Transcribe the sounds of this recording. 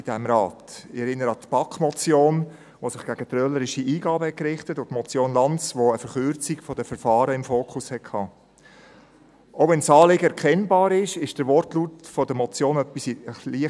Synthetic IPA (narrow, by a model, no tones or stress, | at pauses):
ɪdɛmɾɑːtɪɛɾɪnəɾəɑt̪pɑkmɔt͡sjoːn | ʋosɪχɡ̥æɡ̥ət̪rœləɾɪʃiʔiːɡɑːbəhɛt̚kɾɪχtətʊtmɔt͡sjoːnlɑnt͡sʋoəfəɾχʏɾt͡siɡfɔdəfəɾfɑːɾəɪmfoːkχʊshɛt̚kʰɑː | ʔoʊvɛnsɑːlɪɡəɛɾkʰɛnbɑːɾɪʃɪʃd̥əɾʋɔɾtluːtfɔdəmɔt͡sjoːnœpːisəχliə